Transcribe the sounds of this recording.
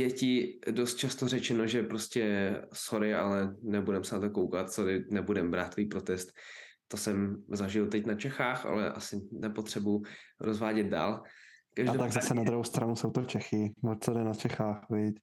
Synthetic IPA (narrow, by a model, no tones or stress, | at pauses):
jɛcɪdo̞st̪̚t͡ʃast̪orɛt͡ʃɛnoʒɛpɾoscɛsoɾɪa̰lɛnɛbudɛmsɛnat̪okowkat̪soɾɪnɛbudɛmbɾaːt̪ːiːpɾo̞t̪ɛst̪ː | o̞sɛmzaʒɪlt̪ɛcnat͡ʃɛxaːxa̰lɛ̰ʔa̰sɪnɛpo̞t̪r̥ɛbʊɾozvaːɟɛd̪̚da̰ːlkaʒdaɛt̪aɡzasɛnad̪ɾuɦowst̪ɾanusowt̪ot͡ʃɛxɪvot̪t͡sodɛnat͡ʃɛxaːxvɪc